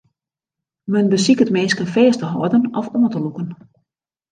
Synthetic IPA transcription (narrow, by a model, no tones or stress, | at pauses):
mənbəsikətmeːskənfeːstəɦɔədənɔfoəntəlukən